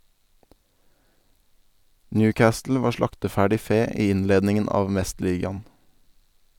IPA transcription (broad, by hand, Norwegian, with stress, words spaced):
ˈnjʉːˌkɑːstl̩ ˈʋɑːɾ ˈʃlɑktəˌfæːɖɪ ˈfeː ˈiː ˈɪnleːdnɪŋən ˈɑːʋ ˈmɛstˌliːɡɑn̩